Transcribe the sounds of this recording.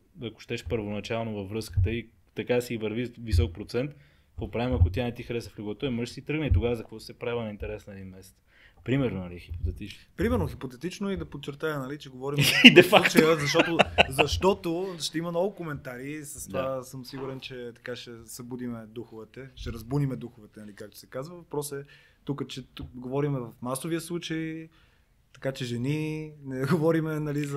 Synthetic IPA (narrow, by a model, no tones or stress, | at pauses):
ɐko̥ʃt̪ɛʃpəɾvonɐt͡ʃalˠnovɐfːɾɤskə̥t̪əi | t̪ɐkasiivɐɾvivisɔk̚pɾot̪sɛnt̪ | popɾavʲimɐkot̪ʲianɛt̪ixɾɛsəflʲuɡɔt̪ɔjmɔʒsiit̪ɾɤɡnəit̪oɡavɐzɐkvɔsɛpɾavlɐnɐint̪ɛɾɛsnɛd̪inmɛsɛ̥t̪s | pɾimɛɾnonɐlixipot̪ɛt̪it͡ʃnopɾimɛɾnoxipot̪ɛt̪it͡ʃnʊid̪ɐpot̪̚t͡ʃːɛɾt̪ajənɐlit͡ʃɛɡovɔɾimid̪ɛfaukt͡ʃjəzɐʃt̪ɔt̪ozɐʃt̪ɔt̪oʃt̪ɛimɐnɔɡʊkomɛnt̪aɾisɐst̪ovasɤmsiɡuɾɛnt͡ʃɛt̪ɐ̥kaʃɛsɐbud̪imɛd̪uxʊvɛt̪ɛʃɛɾɐzbunimɛd̪uxʊvɛt̪ɛnɐlikak̚t̪o̥sɛkazvɐvɐpɾɔsɛ | t̪ukət͡ʃɛɡovɔɾimɛvɐfmasoviəslˠut͡ʃəj | t̪ɐ̥kat͡ʃɛʒɛninɛɡovɔɾimɛnɐliz